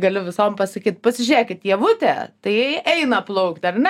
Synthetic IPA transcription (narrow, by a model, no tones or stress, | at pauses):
ɡɐlʲʊʋʲɪsoːmpɐsɐkʲiːt̪̚pɐsʲɪʒʲɾʲeːkʲɪt̪jiɛʋʊt̪ʲɛ̰t̪ɐɪjɛɪɛɪnɐplˠɐʊkt̪ʲɐrnʲɛ